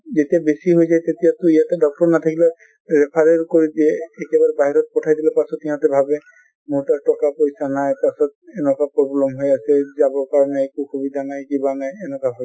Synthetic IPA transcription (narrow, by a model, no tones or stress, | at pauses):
zetiabesiɦojsajtetijatʊijatɛdɔk̚tɔɹnat̪ʰakilɛ | ɹɛpʰaɹɛɹkoɹitiɛːkɛbaɹɛbaɦiɹɔt̚pɔtʰajdilɛpasɔtijatɛbʱabɛ | muɹtatɔkapojsanajpasɔt̚ɛnɔkapɹɔblɛmɦojasɛzabɔɹkaɹɔnɛːkukʰobidanajkibanajɛnɛkabʱabi